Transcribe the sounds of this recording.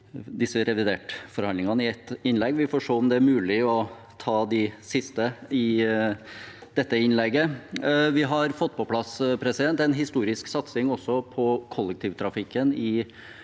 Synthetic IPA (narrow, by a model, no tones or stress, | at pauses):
d̪ɪsːəɾɛʋɪd̪eːʈfɔɾhɑnd̪ɪŋɑnəɪɛt̪ɪnlɛɡːʋɪfɔːʂoːɔmd̪ɛæɾmʉːlɪɔ | t̪ʰɑːd̪ɪsɪst̪əɪ | d̪̥ɛt̪ːəɪnlɛɡːəʋɪɦɑɾfɔt̪ːpʰɔpʰlɑspʰɾɛsɪd̪ɛnt̪ɛnɦɪst̪uːɾɪsksɑt̪sɪŋɔsːɔpʰɔkʰɔlːək̚t̪ʰiːʋt̪ʰɾɑfɪkːənɪ